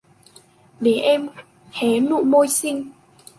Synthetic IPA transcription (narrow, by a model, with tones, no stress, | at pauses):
le˨˩˦ʔɛ˧m | hɛ˨˦nṵ˧˨mo˧jsi˧ŋ